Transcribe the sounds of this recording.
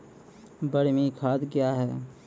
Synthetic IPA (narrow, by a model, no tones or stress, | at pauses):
bəɽ̤mikʰaːd̪kjaːɦɛː